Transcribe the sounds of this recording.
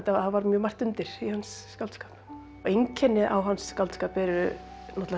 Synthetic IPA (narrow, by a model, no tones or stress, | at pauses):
t̪aavaɾmjœːmar̥t̪ʏnt̪ɪɾ̥ihansːkalt̪skaːp | ɔɣejŋcʰɛnːɪʔawɦanskalt̪skaːpɛɾʏ | nɔt̪l